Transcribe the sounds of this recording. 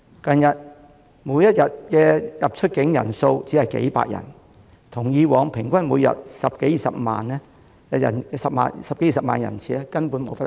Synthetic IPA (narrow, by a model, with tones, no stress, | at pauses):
kɐ˧njɐ˨t̚ | muː˨˧jɐ˥t̚jɐ˨t̚kɛː˧jɐ˨p̚t͡ʃʰɵ˥t̚kɪ˨˥ŋjɐ̰˨˩nso˧wt͡siː˨˥hɐ˨jkḛ˨˥jpa̰ː˧˨k̚jɐ̰˨˩n | t̪ʰʊ˨˩ŋjiː˨˧wɔː˨˧ŋpʰɪ˨˩ŋkʷɐ˥nmuː˨˧jɐ̰˨t̚sɐ˨p̚ke˨˥ji˨sɐ̰˨p̚ma̰ː˨nɛ˥˧ | ɐ̰˨˩nsɐ˨p̚ma̰ː˨n˨sɐ˨p̚ke˨˦ji˨˩sɐ˨pmaː˨njɐ̰˨˩nt͡sʰiː˨ɛ˥kɐ˥npuː˨˥nmo˨˧wfɐ˥l